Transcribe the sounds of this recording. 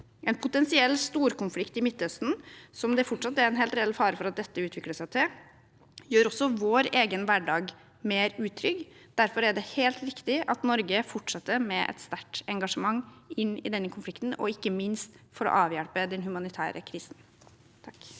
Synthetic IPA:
ʔɛnpʰʊt̪ɛnsɪɛlːst̪uːɾkʊnflɪkt̪ɪmɪt̪ːœst̪n̩sɔmd̪ɛfɔʈʂɑt̪ːɛɾɛnɦeːlt̪ɾɛɛlfɑːɾəfɔɾɑt̪̚d̪ɛt̪ːəʉːt̪ʰʋɪkləʂæɪt̪ʰɪ | jøːɾɔsːɔʋoːɾeːɡənʋæɖɑːɡ | meːɾʉːt̪ʰɾʏɡd̪̥æɾfɔɾæɖɛheːlt̪ɾɪkt̪ɪʔɑt̪nɔɾɡəfɔʈʂɑt̪ːəɾmɛʔɛ̰t̪st̪æʈɛŋɡɑʂəmɑŋːʔɪnːɪ̰d̪ɛnːəkʰʊnflɪkt̪n̩ɔ̰ɪkːəmɪnst̪fɔɾɔ̰ʔɑːʋjælpəd̪ɛnhʉmɑnɪt̪ʰæ̰ːɾʔə̰kʰɾiːsn | t̪ʰɑk

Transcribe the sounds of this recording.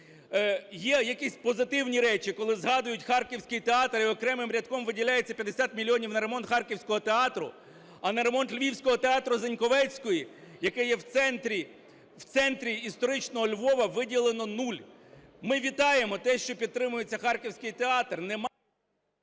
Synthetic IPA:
jɛjɐkisʲpɔzɪt̪ɪwnʲiɾɛt͡ʃikɔlˠɪzɦɑd̪ʊjʊtʲxɑrkʲiwsʲkɪjt̪eɑt̪ɾɪɔkɾɛmɪmɾʲɐd̪̚kɔmʋɪdʲilʲajet͡sʲːɐpʲjɐd̪esʲat̪mʲilʲːiɔnʲiwnɐɾe̞mɔnt̪xɑrkʲiwsʲkɔɦɔt̪eɑt̪ɾʊ̰ | ɐnɐɾemɔnt̪lʲʋʲiwsʲkɔɦɔt̪eɑt̪ɾʊzenʲkɔʋɛt͡sʲkɔjijɐkɛjɛwt̪sɛnt̪ɾʲi | wt̪sɛnt̪ɾʲiist̪ɔɾɪt͡ʃnɔɦɔlʲʋɔʋɐʋɪdʲilˠenɔnulʲ | mɪʋʲit̪ɑjemɔt̪ɛʃt͡ʃɔpʲid̪̚t̪ɾɪmʊjet͡sʲːɐxɑrkʲiwsʲkɪjt̪eɑt̪rnɛm

